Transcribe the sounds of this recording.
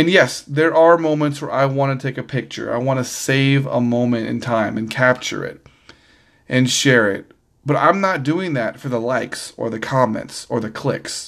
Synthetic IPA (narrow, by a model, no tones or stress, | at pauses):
ɨ̃njɛsðə˞ʔə˞mõʊ̃mə̃ntswə˞ʔaɪwɑ̃nɨtʰeɪkɨpʰɪk̚t͡ʃə̰˞a̰ɪwɑ̃nɨseɪvə̰mõʊ̃mɨ̃ntɨ̰̃ntʰãɪ̃mɨ̃nkʰæp̚t͡ʃə̰˞ɪ̰ɾ̚ | ʔɨ̃nʃɛɹɪ̰t̚ | b̥ʌɾã̰ɪ̃mnət̚d̥ʉɪ̃ŋðɨtfə˞ðəlaɪksə̰˞ðɨkʰɑmɛ̰̃ntsə˞ðɨkʰl̥ɪ̰ks